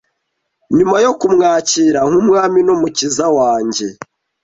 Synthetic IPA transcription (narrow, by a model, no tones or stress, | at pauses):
ɲumajo̞kumŋaːciːɾaŋ̥humŋaːminomucizawaːɲɟe̞